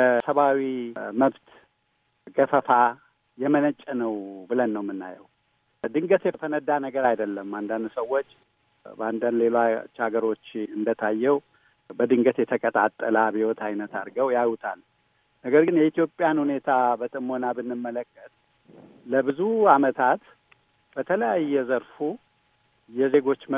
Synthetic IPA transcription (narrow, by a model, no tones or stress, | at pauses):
kəsəβawiməβt̪ | ɡəfəfa | jɛmənət͡ʃʼːɛnəwbɨlənːəwmːɨnːa̰jɛw | d̪ɨŋɡət̪jɛt̪ʰənəd̪ːanəɡəɾajd̪əlːəmːand̪and̪səwːot͡ʃː | bəand̪and̪le̞lat͡ʃːaɡəɾo̞t͡ʃːɨnd̪ət̪ʰajːɛw | bəd̪ɨŋɡət̪jɛt̪ʰəkʼət̪ʼat̪ʼːəlabiwɔt̪ʰajnət̪aɾɡəwjajut̪ʰal | nəɡəɾɡɨnjɛit̪ijo̞pʼːjanhune̞t̪ʰabət̪ʼɨmo̞nabɨnːɨmːələkːət̪̚ | ləbɨzuamət̪ʰat̪ | b̥ət̪ʰələjajːɛzəɾfu | jɛze̞ɡo̞t͡ʃːmə